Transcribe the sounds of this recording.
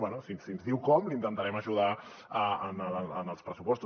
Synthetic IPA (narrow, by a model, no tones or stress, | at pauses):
wɛnusinsinzðiwkɔmlint̪ənt̪aɾɛməʒuð̞a | əənəəənəlˠspɾəsupɔst̪u